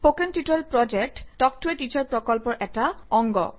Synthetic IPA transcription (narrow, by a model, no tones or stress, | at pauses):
pokentiʈɔlpɹɔd͡ʑek̚ʈtɔk̚tueʈit͡ɕɔɹpɹɔkɔlpɔɹʔɛʈaɔŋɡɔ̰